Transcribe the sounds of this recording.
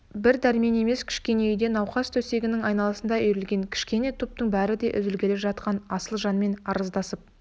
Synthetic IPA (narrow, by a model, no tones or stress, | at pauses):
bɪɾd̪æɾme̞ne̞me̞skʲʰɪ̥ʃkʲe̞ne̞ʏjd̪e̞nɑwqɑzt̪ʰɵse̞ɡʲɪnɪŋɑjnɑlˠəsənd̪ɑʏjɾɪlɡʲe̞ŋkʲʰɪ̥ʃkʲe̞ne̞t̪ʰup̚t̪əɴbæɾɪd̪e̞ʔʏ̰zɪlkʲʰe̞lepʒɑt̪̚qɑnɑsəlˠʒɑnme̞nɑɾəzd̪ɑsəp̚